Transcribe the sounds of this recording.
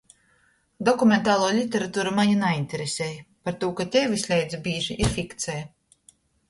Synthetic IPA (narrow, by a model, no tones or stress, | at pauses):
d̪ɔkumʲent̪aːlˠuːlʲit̪ʲeɾat̪uːɾamaɲinainʲt̪ʲɛɾesʲɛːjpaɾt̪uːkat̪ʲɛvʲisʲlʲɛjd̪zʲibʲiːʒiʔiɾfʲikt̪sʲɛj